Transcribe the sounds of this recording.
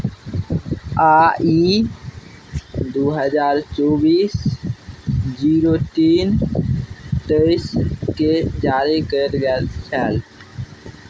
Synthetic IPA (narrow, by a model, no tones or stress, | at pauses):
aːi | d̪oːɦəd͡ʒaːɾt͡ʃoːbiːs | d͡ʒiːɾot̪iːn | t̪əɪsked͡ʒaːɾikəɾɡɛlt͡ʃʰɛːl